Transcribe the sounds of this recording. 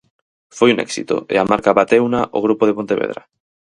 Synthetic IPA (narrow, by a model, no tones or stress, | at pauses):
fojunɛ̰ksḭt̪o̰ḛamaɾkaβat̪ewnaʔoɣ̞ɾupoð̞epont̪eβḛð̞ɾa̰